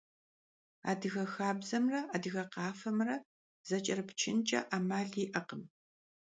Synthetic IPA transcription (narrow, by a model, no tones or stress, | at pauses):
a̰ːdɨɣɐxaːbzɐmrɐaːdɨɣɐqɑːfɐmrɐ | z̥ɐt͡ʃʼɐrɨpt͡ʃʰɪnt͡ʃʼɐ̰ʔaːmaːɮiːʔɐqəm